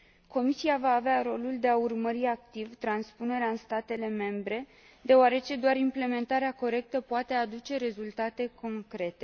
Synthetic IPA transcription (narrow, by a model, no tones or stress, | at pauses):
ko̞misiavaːveaɾo̞luld̪e̞aurməɾiak̚t̪ivt̪ɾanspune̞ɾeaɨnst̪at̪e̞le̞me̞mbɾe̞ | d̪e̞oaɾe̞t͡ʃe̞d̪oaɾimple̞mẽ̞nt̪aɾeako̞ɾe̞k̚t̪əpoat̪e̞ad̪ut͡ʃe̞ɾe̞zult̪at̪e̞ko̞ŋkɾe̞t̪e̞